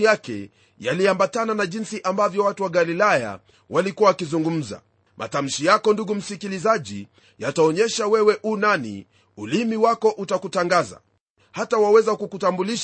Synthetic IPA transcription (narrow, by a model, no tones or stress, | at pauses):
jakɛ̰ | jaliambatananaʄinsiʔambavjɔwatuwaɡalilaja̰ | walikuwawakizuŋɡum̩za̰ | mʔa̰tam̩ʃijakɔnduɡum̩sikilizaʄi | jataɔɲɛʃawɛwɛʔunanḭ | ulimiwakɔʔutakutaŋɡaza̰ | hatawawɛzakukutambuliʃ